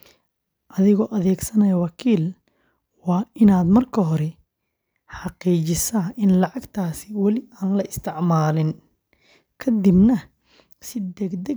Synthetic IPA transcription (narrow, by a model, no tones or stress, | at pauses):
ʔɐðɪɣɔːʔɐðɛːɡsɐnɐjɐwɑkʰiːl | wɑːɪnaːd̪mɐrkʰɐɦɔɾɛ | ħɑqiːt͡ʃɪsɐːɪnlɑʕɑɡt̪ʰaːsɪwɑlɪaːnlɐɪst̪ʰɪʕmaːlɪn | kʰɐd̪ɪbnɐ | sɪd̪ɛɡd̪ɛ